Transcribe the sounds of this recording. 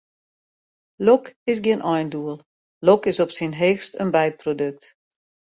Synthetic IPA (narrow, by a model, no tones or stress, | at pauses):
lɔkɪsɡiənʔɔjnduəlˠ | lokɪsɔpsinɦeːxstənbɛjprodøk̚t